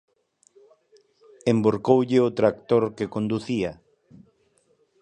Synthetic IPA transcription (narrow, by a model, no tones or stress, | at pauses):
emboɾkowʎɪot̪ɾakt̪oɾkekond̪uθia